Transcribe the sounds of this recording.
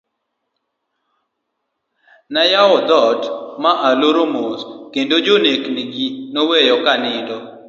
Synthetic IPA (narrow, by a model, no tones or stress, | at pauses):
najawɔd̪ɔtmaʔaloɾomoskendod͡ʒonekniɡinowejɔkanɪdɔ